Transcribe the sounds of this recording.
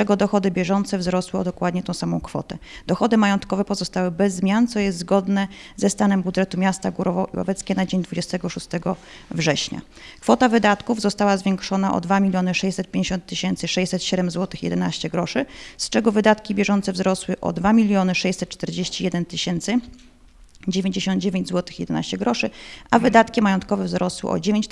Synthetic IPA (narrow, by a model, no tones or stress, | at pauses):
ɛɡɔd̪ɔxɔd̪ɘbʲjɛʐɔnt̪sɛvzɾɔswɘɔ̰d̪ɔkwad̪ɲɛt̪ɔ̃w̃samɔ̃w̃kfɔ̰t̪ɛd̪̥ɔxɔd̪ɘmajɔnt̪kɔvɛpɔzɔst̪awɘbɛzːmʲjant̪sɔjɛst̪zɡɔd̪nɛzɛst̪anɛmbud̪ʐɛt̪umʲjast̪aɡuɾɔvɔḭwa̰vɛt̪skʲɛnad͡ʑeɲd̪vud͡ʑɛst̪ɛɡɔʂust̪ɛɡɔ | vʐɛɕɲa̰ | kfɔt̪avɘd̪at̪kuvzɔst̪awazvʲjeŋkʂɔnaʔɔ̰d̪vamʲilʲjɔnɘʂɛjɕsɛt̪̚pʲjẽɲd͡ʑeɕɔnt̪ːɘɕɛnt̪sɘʂɛjɕsɛt̪ɕɛd̪ɛmzwɔt̪ɘxjɛ̰d̪ɛnaɕt͡ɕɛɡɾɔʂɘst͡ʂɛɡɔvɘd̪at̪kʲibʲjɛʐɔnt̪sɛvzɾɔswɘʔɔ̰d̪vamʲilʲjɔnɘʂɛjsɛt̪̚ːt͡ʂt̪ɛɾd͡ʑeɕt͡ɕijɛd̪ɛnt̪ɘɕɛnt̪sɘ | d͡ʑevʲjeɲd͡ʑeɕɔnd̪̚d͡ʑevʲeɲd͡ʑzwɔt̪ɘxjɛd̪ɛna̰ɕt͡ɕɛɡɾɔʂɘavɘd̪at̪kʲimajɔnt̪kɔvɛvzɾɔswɘ̰ʔɔ̰d͡ʑevʲeɲ